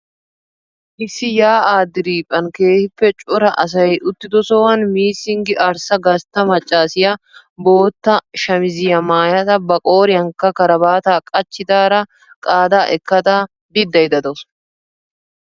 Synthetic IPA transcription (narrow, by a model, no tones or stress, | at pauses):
ʔɪsːɪjaːaːd̪ːɪɾiːpʼːɐnke̞ːhɪpːɛt͡ʃʼʊɾɐʔɐs̬ɐjʔʊt̪ːɪd̪ɔsɔwɐnmiːsɪŋɡɪʔɐɾsɐɡɐst̪ːɐmɐt͡ʃʼːaːsɪjɐ | bo̞ːt̪ːɐʃɐmɪzɪjɐmaːjɐt̪ɐbɐkʼo̞ːɾɪjɐŋkːɐkɐɾɐbaːt̪aːkʼɐt͡ʃːɪt̪aːɾɐ | kʼaːd̪aːʔɛkːɐt̪a | d̪ɪd̪ːɐjd̪ɐd̪ɔs